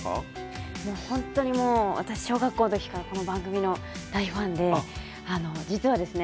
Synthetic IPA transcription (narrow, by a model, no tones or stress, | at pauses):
mo̞ːhõ̞nt̪o̞ɲ̟imo̞ːβa̰t̪aɕi̥ɕo̞ːɡakːoːnot̪o̞kʲi̥kaɾako̞no̞bãŋɡɯ̟mʲino̞ | d̪̥aiɸãnd̪e̞ | ano̞d͡ʑit͡sɨβad̪e̞sɨne